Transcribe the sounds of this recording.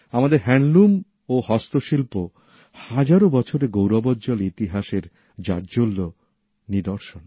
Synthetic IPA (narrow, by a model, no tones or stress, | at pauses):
amad̪eɾɦɛnlum | ohɔst̪oʃilpo | had͡ʑaɾobɔt͡ɕʰoɾeɡowɾɔbɔd͡ʑolit̪iɦaʃeɾ | d͡ʑa̰ɾd͡ʑolːo | nid̪oɾʃon